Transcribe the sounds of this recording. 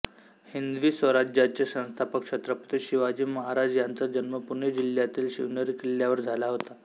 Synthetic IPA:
hind̪ʋiːsʋəɾad͡ʑjat͡ɕesə̃w̃st̪ʰapəkʂet̪ɾəpə̥t̪iɕiʋad͡ʑiːməɦaɾad͡ʑjant͡səd͡ʑənməpuned͡ʑiljat̪iːlɕiʋnəɾikiljaʋəɾd͡zʱalaɦot̪a

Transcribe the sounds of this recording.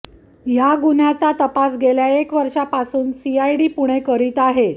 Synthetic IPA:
jaɡunjat͡sat̪əpas̬ɡeljaekʋəɾʂapasuːnsiajɽiːpuɽ̃ekəɾiːt̪aɦe

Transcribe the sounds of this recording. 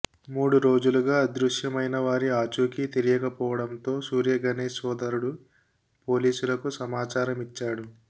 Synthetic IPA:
muːɽuɾo̞ːd͡ʒuluɡaːɐd̪ɾuʂjɐmɐjnɐʋaːɾiaːt͡ʃuːkit̪eɾijɐkɐpɔːʋɐɽɐnt̪o̞ːsuːɾjɐɡɐneːsɔːd̪ɐɾuɽu | po̞ːliːsulɐkusɐmaːt͡ʃaːɾɐmit͡ʃːaːɽu

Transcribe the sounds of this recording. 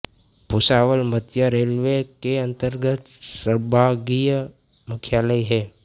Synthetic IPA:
pʊsaːʋəlmət̪jəɾeːlʋekeɐ̃nt̪əɾɡət̪səɾbʱaːɡijə | mʊkʰjaːləiɦɛː

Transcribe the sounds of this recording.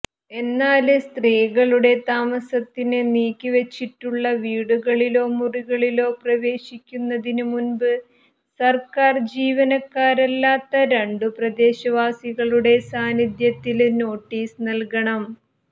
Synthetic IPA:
e̞nːaːlɨst̪riːɣɐɭuɽe̞t̪aːmɐsɐt̪ːineniːkʲːiʋet͡ɕːiʈːuɭːɐʋiːɽuɣɐɭilo̞ːmuriɣɐɭilo̞ːprɐʋe̞ːɕikʲːunːɐðinumunbɨ | sɐrkaːrd͡ʑiːʋɐnɐkːaːɾɐlːaːt̪ːɐɾeɳɖuprɐd̪e̞ːɕɐʋaːsiɣɐɭuɽe̞saːnid̪jɐt̪ːilno̞ːʈːiːsnɐlkɐɳɐm

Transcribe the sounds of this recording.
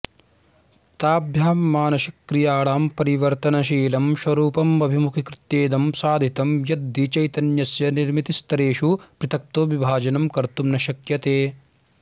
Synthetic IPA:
t̪aːbʱjaːmːaːnɐʃɐkɾijaːɭaːmpɐɾiʋɐɾt̪ɐnɐʃ̬iːlɐmʃwɐɾuːpɐmɐbʱimukʰikɾɪt̪jeːd̪ɐmsaːd̪ʱit̪ɐmjɐd̪ːit͡ʃɐjt̪ɐnjɐsjɐniɾmit̪ist̪ɐɾeːʃupɾɪt̪ʰɐk̚t̪oːʋibʱaːd͡ʒɐnɐmkɐɾt̪umnɐʃɐkjɐt̪eː

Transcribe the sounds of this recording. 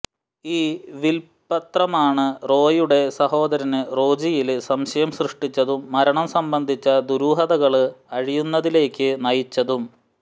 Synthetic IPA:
iːʋil | pːɐt̪rɐmaːɳɨro̞ːjuɽe̞sɐho̞ːd̪ɐɾɐnɨro̞ːd͡ʑijilsɐmɕɐjɐmsrɨʂʈit͡ɕːɐðumːɐɾɐɳɐmsɐmbɐnd̪ʱit͡ɕːɐd̪uɾuːɦɐðɐɣɐɭɨɐɻijunːɐðile̞ːkʲːɨnɐjit͡ɕːɐðum

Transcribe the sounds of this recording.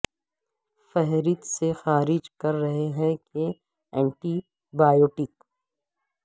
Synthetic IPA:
fɛɦɾɪt̪sexaːɾɪd͡ʒkɐɾːɐɦeɦɛ̃ke | ɛ̃ːɳʈi | baːjoːʈɪk

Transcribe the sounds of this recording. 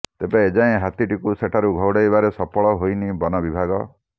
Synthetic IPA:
t̪epaːd͡ʒaẽɦat̪iʈikuseʈʰaɾuɡʱɔwɽejbaɾesɔpɔɭɔɦojnibɔnɔbibʱaɡɔ

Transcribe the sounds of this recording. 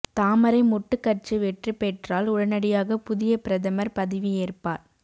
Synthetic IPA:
t̪aːmɐɾɐɪmɔʈːɯkːɐrt͡ʃɯʋɛʈrɯpɛːʈraːlʊɽɐnɐɽɪjaːɣɐpʊðɪjɐpɪɾɐðɐmɐɾpɐðɪʋieːrpa̰ːɾ

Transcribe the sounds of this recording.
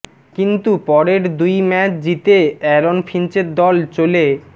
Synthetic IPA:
kint̪upɔɾeɾd̪ujmɛt͡ɕʰd͡ʑit̪eɛɾonfʰint͡ɕeɾd̪ɔlt͡ɕole

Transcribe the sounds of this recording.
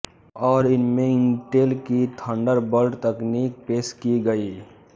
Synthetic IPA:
ɔːɾɪnmẽɪŋʈeːlkit̪ʰə̃ɳɖəɾbəlʈt̪əkniːk̚peːskiɡəiː

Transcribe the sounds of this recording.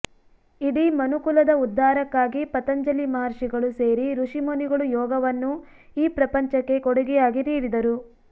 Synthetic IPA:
iɽimɐnukulɐd̪ɐud̪ːaːɾɐkːaːɡipɐt̪ɐɲd͡ʒɐlimaːɾʂiɡɐɭuse̞ːɾiɾuʂimoniɡɐɭujɔːɡɐʋɐnːu | iːpɾɐpɐɲt͡ʃɐkːe̞kɔɽuɡijaːɡiniːɽid̪ɐɾu

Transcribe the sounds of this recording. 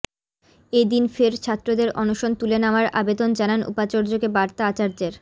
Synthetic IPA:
ed̪infeɾt͡ɕʰat̪ːɾod̪eɾʔɔnoʃont̪ulenamaɾa̰bed̪ond͡ʑananṵpat͡ɕoɾd͡ʑokebaɾt̪aat͡ɕaɾd͡ʑeɾ

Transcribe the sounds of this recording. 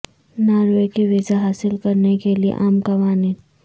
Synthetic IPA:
naːɾʋekeʋɪzaɦaːsɪlkɐɾnekeliḛʔaːmkɐʋaːniː

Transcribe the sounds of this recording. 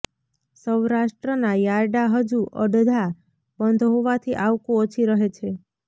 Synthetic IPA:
səwɾaʃʈɾənajaɾɖaɦəd͡ʒuʔə̰ɖəd̪ʱa | bənd̪ʱɦoʋat̪ʰiʔaʋkõot͡ʃʰiɾəɦet͡ʃʰe

